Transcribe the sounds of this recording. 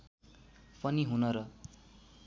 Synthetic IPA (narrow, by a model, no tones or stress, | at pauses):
pʌniɦunʌɾʌ